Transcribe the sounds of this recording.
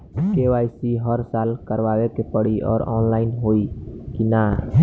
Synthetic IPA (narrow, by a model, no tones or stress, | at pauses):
kewaːɪsiɦəɾsaːlkəɾwaːwekepəɽiʔɔ̰ːɾɔːnlaːɪnɦoːikina